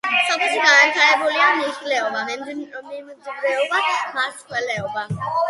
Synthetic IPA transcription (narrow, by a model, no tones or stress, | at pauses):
sɔpʰɛʃiɡanat̪ʰaɛbulianiʃlɛɔbamɛmd̪mɔmimnzibɾɛɔbamaskʼwɛlɛɔba